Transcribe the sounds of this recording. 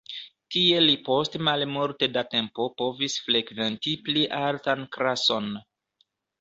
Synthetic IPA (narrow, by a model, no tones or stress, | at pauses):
tie̞lipo̞stmalmuɾte̞date̞mpo̞po̞visfle̞kve̞ntipliʔaltankɾaso̞n